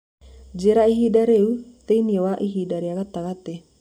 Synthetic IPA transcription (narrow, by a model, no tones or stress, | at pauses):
d͡ʒeɾaiɦidaɾeut̪einiewaʔiɦidaɾiakat̪akat̪e